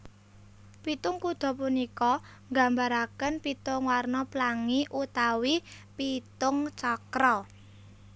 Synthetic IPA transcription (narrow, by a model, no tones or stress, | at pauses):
pit̪ʊŋkud̪̥ɔ̤punikɔ | ŋɡa̤mbaɾakənpit̪ʊŋwarnɔplaŋiʔut̪awipit̪ʊŋt͡ʃakɾɔ